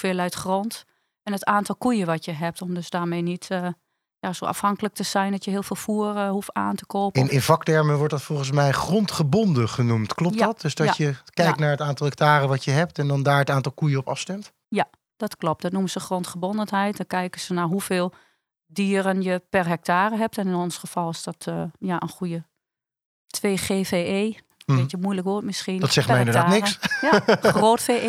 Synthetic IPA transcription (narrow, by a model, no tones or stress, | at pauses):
ufɪːlˠœɥtxrɔnt | ɛnətaːntɔlˠkujəʋɔtjəɦɛp̚tɔmdøsdaːmeːnitː | jasoːʔa̰fhɑŋkələk̚təsɛjndɔtjəɦɪəlˠfeːlˠfuərəhufaːntəkoːpəɪnɪnvɑktɛɹməʋɔɹtdɔtfɔlˠɣəns̬mɛjxrɔntχəbɔndəχənumtklɔp̚dɔt̚døsdɔjəkɛjk̚tnaːɹətaːntɔlˠɦɛk̚taːɾəʋɔtjəɦɛp̚tɛndɔndaːɹətaːntɔlˠkujəɔpɑ̰fstɛmt | ja | d̥ɔtklop̚d̥ɔtnuməsəxrontχəbɔndənɦɛjt̚dɔkɛjkəsənaɦufeːlˠ | diːəɾənjəpɛrɦɛk̚taːrəɦɛp̚tɛnɪnonsxəfɔlˠɪsdɔtːjaʔənxujə | tʰʋeːxeːfeːeː | ʋɪtjəmujləkʋoətmɪsxindɔtsɛxtmɛjɪndəɹdaːtnɪksjxroːtfeː